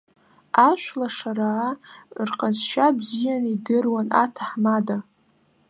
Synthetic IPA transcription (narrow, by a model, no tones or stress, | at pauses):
aʃʷlaʂaɾaːrqʼazʃabzijanidɨrwana̰tʰaħmada